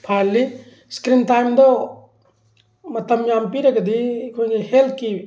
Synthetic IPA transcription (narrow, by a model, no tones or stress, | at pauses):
pʰaːlːi | skɾinʈaːjmd̪o | mɐt̪ɐmjaːmpiɾɐkd̪ikõŋehelki